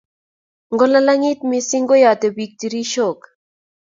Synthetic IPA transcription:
ŋɡo˦la˦la˦ŋi˦t̪misi˦ŋɡo˦ja˨t̪e˨bik̚t̪i˨ɾi˦ʃo˨k

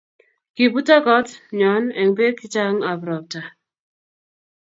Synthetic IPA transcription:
ki˨bu˦ta˦kɔ˦tɲɔ˨˦nɛ˨ŋbe˦ki˦t͡ʃa˦ŋa˨bɾɔ˨p̚ta˨

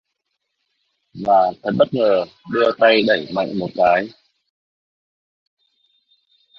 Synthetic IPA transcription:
vaː˨˩fʰə˨˧˩jɓə˦˥t̚ŋəː˨˩ɗɨ˧ət̪a˧jɗə˧˩jma̰˧˨jŋ̟mo˨˩t̚kaː˨˦j

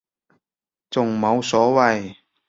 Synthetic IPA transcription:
t͡sʊ˨ŋmo˨˧wsɔː˨˥wɐ˨j

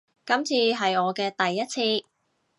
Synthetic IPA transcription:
kɐ˨˥mt͡sʰiː˧ɦɐ˨jɔː˨˧kɛː˧t̪ɐ˨jːɐ˥t̚t͡sʰiː˧

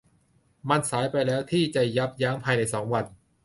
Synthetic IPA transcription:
ma˧nsaː˩˦jpa˧jlɛː˦˥wt̪ʰiː˥˩t͡ɕa˨˩ja˦˥p̚jaː˦˥mpʰaː˧jna˧jsɔː˩˦ŋwa˧n

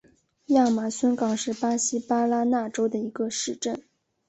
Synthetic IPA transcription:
ja˥˩ma˨˩swə˥nkɑ˨˩ŋʂɻ̩˥˩pa˥ɕi˥pa˥la˥na˥˩ʈ͡ʂo˥ʊd̪ə˨i˧˥ɡə˧ʂɻ̩˥˧ʈ͡ʂə˥˩n

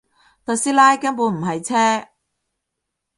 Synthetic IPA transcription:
t̪ɐ˨˧siː˥laː˥jkɐ˥npuː˨˧m̩˨˩ɦɐ˨jt͡sʰɛː˥

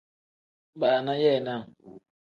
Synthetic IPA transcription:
ba˨na˦jɛ˦˨na˦˨

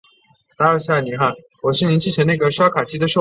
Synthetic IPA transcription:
t̪a˥ə˥˩ɕa˥˩ni˨˥xa˥˩n | wɔ˨˩ɕi˥˩ni˧˥nt͡ɕʰi˥˩t͡ɕʰə˧˥na˥˩ɡə˩ʂwa˥kʰa˨˩t͡ɕi˥d̪ə˨ʂo˥˩

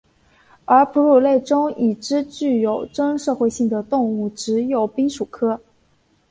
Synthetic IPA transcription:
ə˞˧˥pʰu˧˥ɻu˨˩le˥˩ɪʈ͡ʂʊ˥ŋi˨˩ʈ͡ʂɻ̩˥t͡ɕy˥˩jo˨˩ʊʈ͡ʂɤ˥ŋʂɤ˥˧xwe˥˧ɪɕi˥˩ŋd̪ə˩t̪ʊ˥˧ŋu˥˩ʈ͡ʂɻ̩˧˥jo˨˩ʊpi˥ŋʂu˨˩kʰɤ˥

